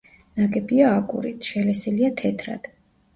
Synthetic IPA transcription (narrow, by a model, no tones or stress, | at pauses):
naɡɛbiaːkʼṵɾḭt̪ʰʃɛlɛsiliat̪ʰɛt̪ʰɾa̰d̪̥